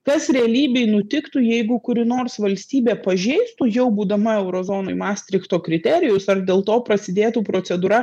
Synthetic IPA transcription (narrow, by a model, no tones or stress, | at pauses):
kɐsɾʲɛɐlʲiːbʲɛɪnʊt̪ʲɪkt̪ujɛɪɡʊkʊɾʲɪnoːrsʋɐlʲsʲt̪ʲiːbʲeːpɐʒʲɛɪst̪ujɛʊbuːd̪ɐmɐɛʊɾoːzoːnoːɪmɑːsʲt̪ʲɾʲɪkt̪oːkɾʲɪt̪ʲɛɾʲɪjʊsɐrd̪ʲeːlˠt̪oːpɾɐsʲɪd̪ʲeːt̪uːpɾoːt̪sʲɛd̪uːɾɐ